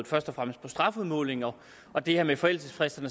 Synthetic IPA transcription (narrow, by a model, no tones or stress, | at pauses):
ð̩ˠfɶɐsd̥ɒ̽fʁam̰əsd̥̚pʰɒ̽sd̥ʁɑ̈fuðˠmɔ̰ːle̝ŋɒ̽ | ɒ̽d̥e̝hæɐmefɒ̽el̰̥səsfʁɛsd̥ɐnə